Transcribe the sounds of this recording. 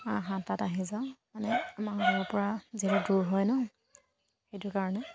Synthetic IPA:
aɦãtataɦizamanɛamakalɔɔɹpɔɹaziɾʊduɹɦɔjnɔ | xejtʊɹkaɹɔnɛ

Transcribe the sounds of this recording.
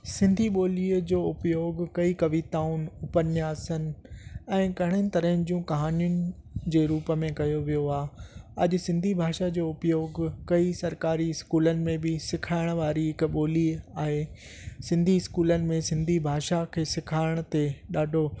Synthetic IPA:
sɪ̃nd̪ʱiɓoːliːəd͡ʑoːʊpjoːɡkɐikɐʋit̪aːʊ̃nɪ̆ʊpənjaːsənɪ̆ɛ̃ːkɐɦɪɽ̃ənɪ̆t̪ɐɾəɦɪ̃nɪ̆d͡ʑũːkɐɦaːnijʊnɪ̆ | d͡ʑeːɾuːpəmẽkɐjoʋijoaːɐ̰ʄʊ̆sɪ̃nd̪ʱibʱaːʃad͡ʑoːʊpjoːɡkɐisɐɾkaːɾiɪskuːlənɪ̆mẽbɪsɪkʰaːɪɽ̃ʋaːɾiɦɪkɓoːliːaːɦeː | sɪ̃nd̪ʱiɪskuːlənɪ̆mẽsɪ̃nd̪ʱibʱaːʃakʰeːsɪkʰaːɪɽ̃t̪eɗaːɖʱo

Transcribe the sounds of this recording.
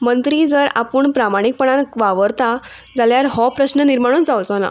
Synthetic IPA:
mənt̪ɾid͡zəɾa̰pəːɳpɾamaɽ̃ik̚pəɳ̃ankʋaʋəɾt̪a | d͡zaljaɾɦɔpɾəɕnəniɾmaɽ̃uːnd͡zawt͡sɔna̰

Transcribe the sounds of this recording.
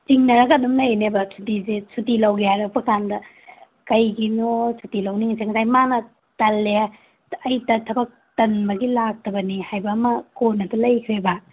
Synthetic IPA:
t͡ʃiŋnɐɾɐkɐdumlɐjnebɐsʰutizesʰutilɐwɡejaɾɐk̚pɐkandɐ | kɐjɡinosʰutilɐwniŋseŋtʰajmanɐ | tɐlːe | ɐjtɐtʰɐbɐk̚tɐnbɐɡilak̚tʰɐbɐnihajbɐːmɐkonːɐtɐlɐjkʰɾebɐ

